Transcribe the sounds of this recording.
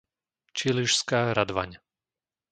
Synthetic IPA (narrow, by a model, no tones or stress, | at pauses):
t͡ʃiliʃskaːɾad̪ʋa̰ɲ